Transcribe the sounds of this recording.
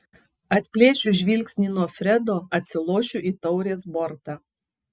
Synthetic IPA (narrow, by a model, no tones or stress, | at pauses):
ɐt̪ʲpʲlʲeːʃʲʊʒʲʋʲiːlʲksʲnʲiːnuɔfʲɾʲɛd̪oːɐt̪ʲsʲɪlˠoːʃʲʊʔiːt̪ɒʊɾʲeːsbɔɾt̪ɑː